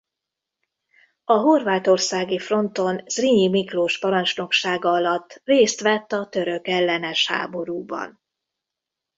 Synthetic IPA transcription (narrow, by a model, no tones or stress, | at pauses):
ɒɦo̞rvaːt̪o̞rsaːɡifro̞nt̪o̞nsriɲimikloːʃpɒɾɒnt͡ʃno̞kʃaːɡɒɒlɒt̪ːreːst̪ʋɛt̪ːɒt̪ø̞ɾø̞kɛlːɛnɛʃha̰ːbo̞ɾuːbɒ̰n